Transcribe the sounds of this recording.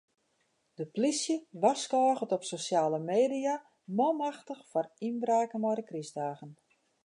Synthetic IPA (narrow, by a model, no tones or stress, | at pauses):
d̥əplisjəʋaskɔːɣətɔpsosjaːləmeːdija | mɔmaxtəxfɔrinbraːkəmɔɾəkrisdaːɣən